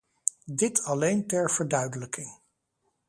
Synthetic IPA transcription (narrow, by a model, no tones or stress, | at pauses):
dɪtʰɑlejntɛɹv̥əɹdœɥdələkɪŋ